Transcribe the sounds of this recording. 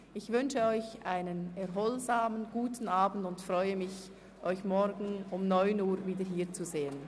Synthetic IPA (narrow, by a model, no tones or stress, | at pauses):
ʔɪçvʏnʃəɔʏçaɪnənɛɐʁɦɔlzaːmənɡ̥uːtʰn̩aːbn̩dʊntfʁɔʏəmɪç | ʔɔʏçmɔɾɡn̩ʊmnɔʏnuːɾviːdəɦiːt͡suzeːən